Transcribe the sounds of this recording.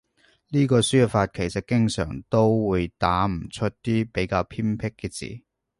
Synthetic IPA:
liː˥kɔː˧syː˥faː˧t̚kʰe˨˩jsɐ˨t̚kɪ˥ŋsœ̰ː˨˩ŋt̪o˥wwuː˨˧jt̪aː˨˥m̩˨˩t͡ʃʰɵ˥t̚t̪iː˥pe˨˥jkaː˧wpʰiː˥mpʰɪ˥kːɛː˧t͡sḭː˨˩

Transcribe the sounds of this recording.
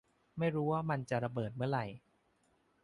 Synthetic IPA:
ma˥˩jɾuː˦˥waː˥˩ma˧nt͡ɕa˨˩ʔɾa˧bɤː˨˩t̪̚mɯ˥˩əɾa˨˩j

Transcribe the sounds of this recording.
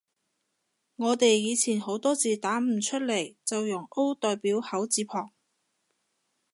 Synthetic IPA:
ŋɔː˨˧t̪e˨jːiː˨˧t͡sʰiː˨˩nho˨˥wt̪ɔː˥t͡siː˨t̪aː˨˥m̩˨˩t͡ʃʰɵ˥t̚le˨˩jt͡sɐ˨wjʊ˨˩ŋʔo˥wt̪ɔː˨jpiː˨˥whɐ˨˥wt͡siː˨˧pʰɔː˨˩ŋ

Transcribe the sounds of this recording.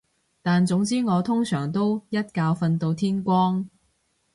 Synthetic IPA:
t̪aː˨nt͡sʊ˨˥ŋt͡siː˥ŋɔː˨˧t̪ʰʊ˥ŋsœː˨˩ŋt̪o˥wjɐ˥t̚kaː˧wfɐ˧nt̪o˧wt̪ʰiː˥nkʷɔː˥ŋ

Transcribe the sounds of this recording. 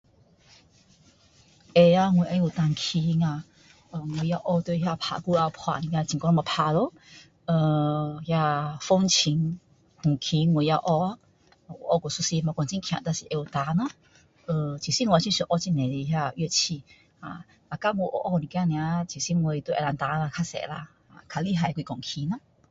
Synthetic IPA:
ʔe˧a˧ŋwe˨ʔa˧ju˨t̪a˨ŋ˧kʰi˧ŋã˧˨ | ə˧˨ŋwe˨ja˧ʔɔ˧t̪we˧ɦja˧pʰa̰˧˨ku˧˦a˧pʰwa̰˧˨ʔnĩ˨˧ã˧t͡ɕi˨kɔ˧nɔ̃˧mã˧˨pʰa˧˨lo˧˦ | ə˧˩hja˧fo˧˦ŋt͡ɕʰi˧ŋ | hũ˨kʰi˧ŋwe˨ja˧ʔɔ˧˦˧ | o˧˨ʔɔ˧˨ko˨su˧si˧ma˧kɔ˨nt͡ɕi˦ŋkʰjã̰˧˨t̪a˧si˧˨ʔe˧wt̪a˧˦nã˧˦ | ə˧t͡ɕʰi˨˩si˦ŋu˧ĩ˧˦ɕu˧ʔɔ˧˦t͡ɕi˧nẽ˨di˧ɦja˧we˧˨t͡ɕʰi˧ | ha˧˨ | a˨˧ka˦ŋo˧ʔo̰˧ʔɔ˧nĩ˨kja˧nĩ˧a˧t͡ɕʰi˨si˦ŋ˧o˧i˧t̪u˧ʔɛ˧˨a˧nt̪a˧˦ŋã˧kʰa˧sɛ̰˧˨la̰˧ | a̰˧˨kʰa˧˨li˦ɦa˧˨jkʷi˧kɔ˨ŋkʰi˧nã˧˦

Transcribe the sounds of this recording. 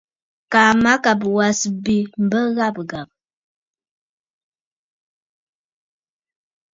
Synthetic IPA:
ka˨ma˦ka˨p̬wa˨sbi˨m̩˨bə˦ɣa˦˨p̚ɡa˨p̚

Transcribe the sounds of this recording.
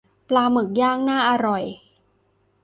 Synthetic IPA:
plaː˧mɯ˨˩k̚jaː˥˩ŋ̚naː˥˩ʔa˧ɾɔ˨˩j

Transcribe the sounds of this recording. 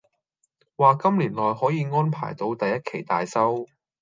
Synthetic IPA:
waː˨kɐ˥mliː˨˩nlɔː˨jɦɔː˨˥jiː˨˧ŋɔː˥npʰa̰ː˨˩jt̪o˨˧wt̪ɐ˨jːɐ˥t̚kʰe˨˩jt̪aː˨jsɐ˥w

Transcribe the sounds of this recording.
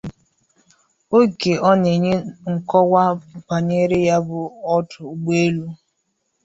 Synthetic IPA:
o˦ɡe˨ɔ˦ne˨ɲe˦ŋ̩˨kɔ˦wʷa˦kʷa˨ɲe˦ɾe˦ja˦bʊ˨ɔ˦tʊ˨ɡ͡be˦lu˦

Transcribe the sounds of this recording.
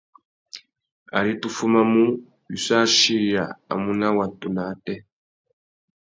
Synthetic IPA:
a̰˨ɾi˦tu˦fu˦ma˦mu˦ | bi˨sa˦ʃi˦ja˨a̰˨mu˦na˦wa˨tu˨na˨˦tɛ˦

